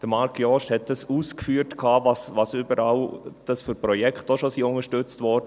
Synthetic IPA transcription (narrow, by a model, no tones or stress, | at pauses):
d̥əmɑɾkʰjɔʃthɛt̚d̥ɑsuːskfyːɾtkʰɑːvɑsvɑsyːbəɾɑːld̥ɑsfyɾpɾɔjɛktoʃosiːʊŋəʃtʏt͡stvɔɾdə